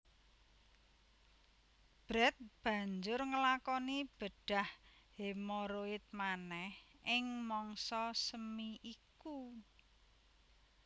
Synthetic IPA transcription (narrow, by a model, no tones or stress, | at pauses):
b̥ɾɛt̪̚b̥ä̤ɲd͡ʒʊrŋəlakɔnib̥əɖ̥a̤hhemoɾoɪt̪̚manɛhɪŋmɔŋsɔsəmiʔiku